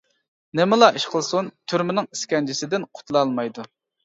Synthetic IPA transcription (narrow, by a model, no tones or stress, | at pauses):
nɪmɪlˠɑʔiʃqʰəlˠsunt̪ʰyɾmɪnɪŋi̥skʲɛnd͡ʒʰisɪd̪ɪnqʰʊ̥t̪ʰlˠɑlˠmɑjd̪u